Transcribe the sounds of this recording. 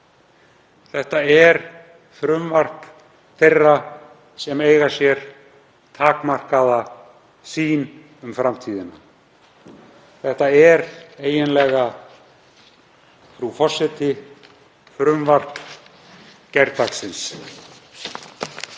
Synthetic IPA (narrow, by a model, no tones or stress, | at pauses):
θɛht̪aɛɾ̥ | fɾʏmvar̥k | θerːa | sɛmeːjɣasjɛɾ̥ | t̪ʰaːkmar̥kaða | siːn | ʏmfɾamt̪ʰiːðɪna | θɛht̪aɛɾeːjɪnlɛɣa | fɾufɔ̥sɪt̪ɪ | fɾʏmvar̥k | cɛɾt̪aksɪns